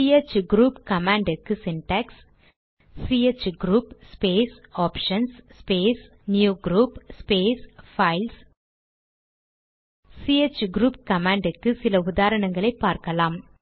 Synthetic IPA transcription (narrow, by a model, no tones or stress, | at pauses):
iet͡ʃɡɾuːpkɐmaːɳɖɪkːɯsɪnʈɐksː | iːet͡ʃɡɾuːpspeːsaːpʂɐnsspeːs | njuːɡɾuːpspeːsfɐɪls | siːet͡ʃɡɾuːp̚kɐmaːɳɖɪkːɯsɪlɐʊðaːɾɐɳɐŋɡɐɭɐɪpːaːɾkɐlaːm